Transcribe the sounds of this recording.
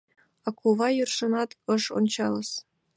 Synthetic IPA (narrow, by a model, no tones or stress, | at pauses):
ɑkuʋɑjurʂɤ̆nɑt̪ɤʃo̰nʲt͡ɕɑlˠɤ̆s